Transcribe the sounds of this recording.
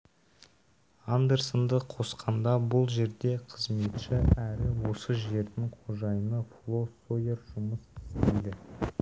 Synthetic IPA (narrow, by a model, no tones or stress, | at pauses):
and̪e̞ɾsond̪əqʰo̞sqʰɑnd̪ɑbʊlˠʒe̞ɾd̪e̞qʰəzme̞t̪ʃɪæɾɪwo̞səʒe̞ɾd̪ɪŋqʰoʒɑjənəflˠo̞soje̞ɾʒʊməsɪ̥st̪ejd̪ɪ